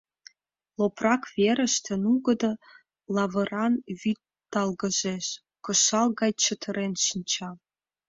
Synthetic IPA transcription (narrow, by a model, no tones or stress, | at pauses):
loprɑkβeɾə̆ʃt̪ə̆nuɣəd̪ɤ̆ | lɑβə̆ɾɑnβyt̪ːɑlɣəʒeʃ | kə̆ʃɑlˠɣɑjt͡ɕət̪ʰə̆ɾenʃinʲt͡ɕɑ